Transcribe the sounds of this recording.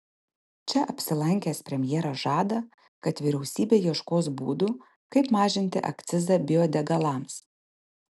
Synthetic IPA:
t͡ʃʲɛʔɐpʲsʲɪlˠɐŋʲkʲɛːspʲɾʲɛmʲjɛːɾɐʒɑːd̪ɐ | kɐt̪ʋʲiɾʲɛʊsʲiːbʲeːjiɛʃkoːsbuːd̪u | kɐɪpmɑːʒʲɪnʲt̪ʲɪ̰ʔɐ̰kt̪sʲɪzɐbʲɪɔːd̪ʲɛɡɐlˠɐms

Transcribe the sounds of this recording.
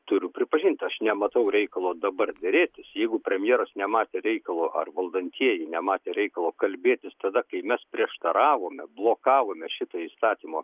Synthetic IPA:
t̪ʊɾʲʊpʲɾʲɪpɐʒʲiːnʲt̪ʲɐʃnʲɛmɐt̪ɐʊɾʲɛɪkɐlˠoːd̪ɐbɐrd̪ʲɛɾʲeːt̪ʲɪsjɛɪɡʊpʲɾʲɛmʲjɛːɾɐsnʲɛmɑːt̪ʲeːɾʲɛɪkɐlˠoːʔɐ̰rʋɐlˠd̪ɐnʲt̪ʲiɛjɛnʲɛmɑːt̪ʲeːɾʲɛɪkɐlˠoːkɐlʲbʲeːt̪ʲɪst̪ɐd̪ɐkɐɪmʲɛspʲɾʲiɛʃt̪ɐɾɑːʋoːmʲɛblˠoːkɑːʋoːmʲɛʃʲɪt̪oːiːst̪ɑːt̪ʲiːmoː

